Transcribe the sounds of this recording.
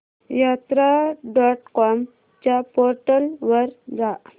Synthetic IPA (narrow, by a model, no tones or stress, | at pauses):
jat̪ɾaɖɔʈkɔm | t͡ɕjapɔɾʈəlʋəɾd͡za